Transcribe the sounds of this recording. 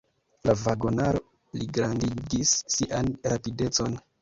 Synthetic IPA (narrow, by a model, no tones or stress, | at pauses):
lavaɡonaɾo | liɡɾandiɡisːiʔanɾapide̞t͡so̞n